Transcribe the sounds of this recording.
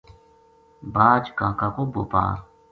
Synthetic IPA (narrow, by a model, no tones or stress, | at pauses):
baːd͡ʒkãːkakobopa̰ːɾ